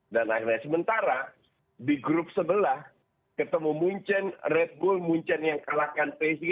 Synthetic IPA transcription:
dana̰irɲasəmənt̪aɾa | diɡɾʊp̚səbəlah | kət̪əmumuɲt͡ʃənrɛt̪̚bʊlmuɲt͡ʃɛnjaŋkalakanpesɡ

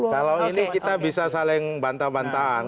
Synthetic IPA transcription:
kalawinikit̪abisasalɪŋbant̪abant̪aan

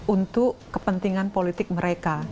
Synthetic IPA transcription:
unt̪ʊʔːəpənt̪iŋanpolit̪ɪk̚məɾeka

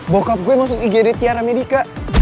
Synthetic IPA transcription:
bokap̚ɡuɛmas̬ʊkiɡedɛt̪iaɾamedika

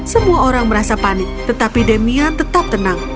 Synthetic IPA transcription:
səmuaoɾaŋməɾasapanɪk̚t̪ət̪apidemiant̪ət̪ap̚t̪ənaŋ

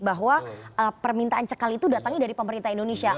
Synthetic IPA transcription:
baɦwaəpərmint̪aʔant͡ʃəkalit̪udat̪aŋidaɾipəməɾint̪aɦindonesia

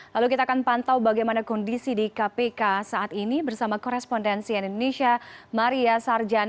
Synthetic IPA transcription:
lalukit̪aːkanpant̪awbaɡajmanakɔndisidikapekasaːt̪inibərsamakɔɾɛspɔndɛnsianindoneʃiamaɾiasard͡ʒan

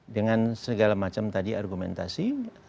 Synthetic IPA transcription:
dəŋansəɡalamat͡ʃamt̪adiarɡumɛ̰nt̪asi

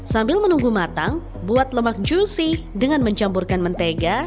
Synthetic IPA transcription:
sambɪlmənuŋɡumat̪aŋ | buat̪ləmak̚d͡ʒusidəŋanməɲt͡ʃampurkanmənt̪eɡa

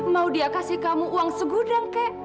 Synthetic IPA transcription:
maudiakasihkamuuwaŋsəɡudaŋkɛʔ

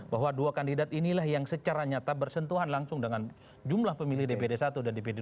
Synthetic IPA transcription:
baɦwaduakandidat̪inilahjaŋsət͡ʃaɾaɲat̪abərsənt̪uɦanlaŋsʊŋdəŋan | d͡ʒumlahpəmilɪhdepedesat̪udandeped

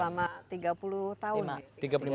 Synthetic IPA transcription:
amat̪iɡapulut̪aunt̪iɡapu

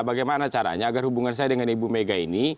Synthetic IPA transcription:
baɡajmanat͡ʃaɾa̰ɲaːɡarhubuŋans̬ajadəŋanibumeɡaini

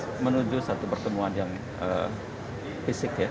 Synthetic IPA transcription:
mənud͡ʒusat̪upərt̪əmuanjaŋ | ə̰ | fisɪkja

